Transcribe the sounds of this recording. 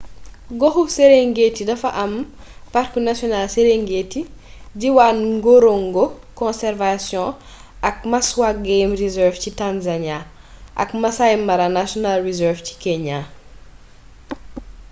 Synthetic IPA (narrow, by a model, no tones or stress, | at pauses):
ɡɔxuseɾeŋɡetːidɐfɐʔɐm | parkunasjɔnalseɾeŋɡetːiɟiwaːnŋɡɔɾoŋɡɔ | kɔ̃nsɛɾvasjɔ̃ | ʔɐk̚mɐswaɡemrizɛɾfcitanzaɲa | ʔɐ̰kmɐsajmɐɾanasjɔnalrizɛɾfci̥kɛɲa